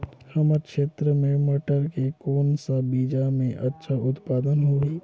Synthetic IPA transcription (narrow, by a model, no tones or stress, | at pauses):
hɐməkʃeːt̪ɾəmẽməʈəɾkekoːnsabiːd͡ʒamẽʔɐtːʃʰaʊt̪paːd̪ənɦoeː